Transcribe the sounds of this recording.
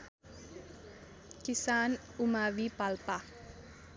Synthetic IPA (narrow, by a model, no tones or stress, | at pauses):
kisanumawipalpah